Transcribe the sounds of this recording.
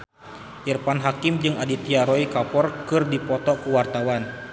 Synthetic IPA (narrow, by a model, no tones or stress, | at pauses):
ʔirpanɦakimd͡ʒɨŋadit̪iaɾɔikapɔrkɨrdipɔt̪ɔkuwart̪awan